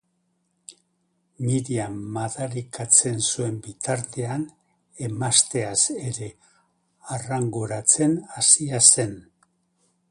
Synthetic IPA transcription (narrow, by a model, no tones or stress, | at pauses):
miɾiamːaðaɾikat͡se̞nsue̞mbit̪aɾt̪e̞an | e̞mast̪e̞ase̞ɾe̞ | araŋɡuɾat͡se̞nasiase̞n